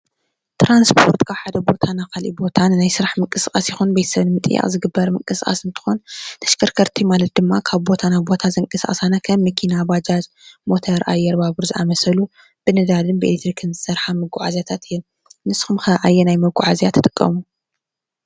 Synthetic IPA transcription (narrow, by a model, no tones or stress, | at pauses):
t̪ɾanspʰo̞ɾt̪kʰaħad̪ɐbo̞t̪ʰanakʰalʔḭbo̞t̪ʰanːajsɨɾaħmɨŋkʼɨsxʼasjɪxunbɐjt̪sɐβnmɨt̪ʼɨ̰jːa̰ʔʼzɨɡɨbːɐɾmɨŋkʼɨskʼa̰sɨnt̪ʰɨ̥xont̪ʰɐ̥ʃkʰɐɾkʰɐɾt̪ʰimalɐt̪̚d̪ɨmːakʰaβbo̞t̪ʰanaβbo̞t̪ʰazɐŋkʼɨsʔʼɐsanakʰɐmːɐkʰinabad͡ʒaz | mo̞t̪ʰɐɾʔa̰jːɛɾbaβɨɾzɨʔa̰mɐsɐlu | b̥ɨnɨd̪alɨnbɨʔelekt̪ɾikʰɨnzɨsɐɾħamɐɡuʕazjat̪ʰat̪ɨjɛl | nɨsxumxɐʕajːɛnajmɐɡuʕazjat̪ʰːɨ̥t̪ʼɨkʼːɐ̰mu